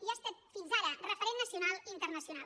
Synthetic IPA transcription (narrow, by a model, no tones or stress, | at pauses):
iast̪at̪̚finzaɾərəfəɾenːəsiunalˠint̪ərnəsiunal